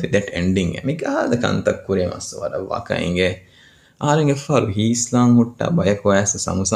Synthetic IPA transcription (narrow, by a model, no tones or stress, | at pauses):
fid̪ɛʈeɳɖiŋḛmiɡaːd̪ɐkɐ̰nt̪ɐkːuɾeːmɐ̰sːuʋɐɾɐʋːa̰kɐ̰ḭŋɡe | ʔaːɐɾeŋɡefaːɾuɦiːslaːŋhuʈːa̰ːbɐjɐkuʋæːsɐsɐ̰musɐ